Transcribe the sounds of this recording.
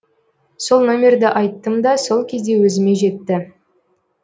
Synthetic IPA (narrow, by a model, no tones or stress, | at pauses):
so̞lˠno̞mʲe̞rd̪ɪʔɑjt̪ːəmd̪ɑso̞lˠkʲʰe̞zd̪e̞wɵzɪme̞ʒe̞t̪ːɪ